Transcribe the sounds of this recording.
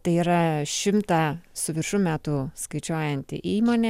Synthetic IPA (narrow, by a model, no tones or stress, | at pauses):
t̪ɐɪiːɾɐʃʲɪmt̪ɑsʊʋʲɪɾʃʊmʲæːt̪uːskɐɪt͡ʃʲoːjɛnʲt̪ʲɪ̰ʔiːmoːnʲe